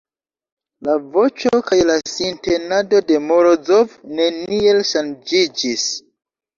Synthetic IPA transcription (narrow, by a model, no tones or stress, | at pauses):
lavo̞t͡ʃokajlasinte̞nado̞de̞moɾozovne̞nielʃand͡ʒid͡ʒis